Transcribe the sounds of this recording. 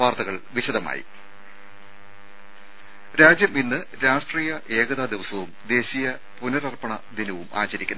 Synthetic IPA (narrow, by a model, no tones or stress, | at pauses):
ʋaːrt̪ɐɣɐɭʋiɕɐd̪ɐma̰ːjḭ | ɾaːd͡ʑjɐminːɨ | ɾaːʂʈriːjɐʔe̞ːɣɐðaːd̪iʋɐsɐʋumd̪e̞ːɕijɐ | punɐɾɐrpɐɳɐd̪inɐʋuma̰ːt͡ɕɐɾikʲːunː